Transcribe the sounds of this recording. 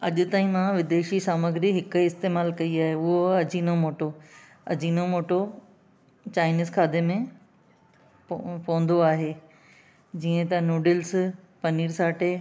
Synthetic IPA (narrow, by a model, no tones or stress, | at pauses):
ɐʄʊ̆t̪aːĩmãʋɪd̪eːʃisaːməɡɾiɦɪkʊɪst̪eːmaːlkɐiaːɦeʊɦoɐd͡ʑiːnomoːʈo | ɐ̰d͡ʑiːnomoːʈo | t͡ɕaːɪniːzkʰaːd̪emẽ | pɐʋə̃nd̪oaːɦeː | d͡ʑiːə̃t̪ɐnoːɖɪls | pɐniːɾsaːʈe